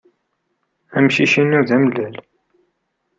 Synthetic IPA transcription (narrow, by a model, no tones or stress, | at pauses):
æmʃiʃinːuðæmlæl